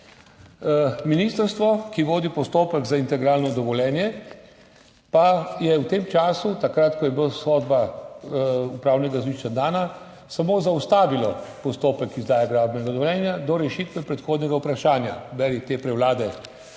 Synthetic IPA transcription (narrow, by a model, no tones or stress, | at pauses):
minist̪əɾst̪ʋɔkiʋoːd̪ipɔst̪oːpɛɡzaint̪ɛɡɾaːlnɔd̪ɔʋɔljɛːnjɛ | pajɛwt̪eːmt͡ʃaːsut̪akɾat̪kɔjɛbosxoːd̪ba | upɾawnɛɡazʋiʃt͡ʃad̪aːna | samoːzaust̪aːʋilɔpɔst̪oːpɛkizd̪aːjaɡɾaːbnɛɡad̪ɔʋɔljɛːnjad̪ɔɾɛʃit̪ʋɛpɾɛt̪xoːd̪nʲɛɡawpɾaʃaːnja̰bɛɾit̪eːpɾɛwlaːd̪ɛ